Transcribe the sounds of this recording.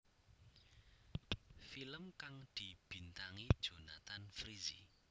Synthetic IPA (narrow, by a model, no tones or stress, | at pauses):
filəmkaŋd̪̥i̤b̥i̤nt̪aŋid̥ʒ̥o̤nat̪anfɾizi